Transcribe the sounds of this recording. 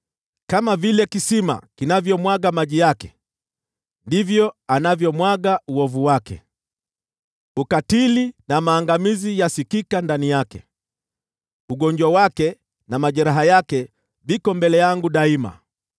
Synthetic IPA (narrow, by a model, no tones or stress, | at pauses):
kamavilɛkisima̰kinavjɔmwaɠamaʄijakɛ | ndivjɔanavjɔmwaɠauɔvuwakɛ̰ | ukatilinamaːŋɡamizijasikikandanijakɛ̰ | uɠɔɲd͡ʒwawakɛ | namaʄɛɾaɦajakɛ | vikɔmbɛlɛjaŋɡuɗaima̰